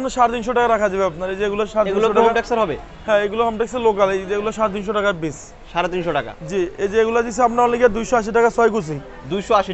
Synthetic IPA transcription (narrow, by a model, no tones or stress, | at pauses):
pnaʃaɾet̪̬inʃoʈakaɾakʰad͡ʑabeapnaɾed͡ʑeeɡulaʃaɾeteiuilooaɔamʈeksaɾɦɔbe | hɛ̃eɡulokɔmʈɛkseɾlokaled͡ʑeɡulaʃaɾet̪̬inʃoʈakaɾbis | ʃaɾet̪inʃoʈaka̰d͡ʑied͡ʑeeɡulad͡ʑisʰeapnaɔnleɡiad̪ujʃoaʃ̬iʈ̬akasɔjkusʰi | d̪ujʃoaʃi